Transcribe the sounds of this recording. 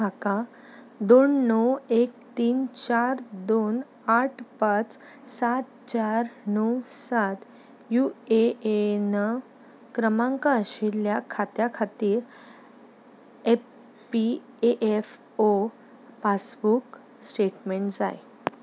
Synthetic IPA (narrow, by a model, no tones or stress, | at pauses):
ɦaka | d̪onːɔwek̚t̪iːnt͡ɕaɾd̪on | aʈʰpat͡ssat̪̚t͡ɕaɾnɔwsat̪ | jueenə | kɾəmãŋkaɕiljakʰat̪jakʰat̪iːɾ | e | pi | eʔef | o | pasbuk | sʈeʈmeɳʈd͡za̰j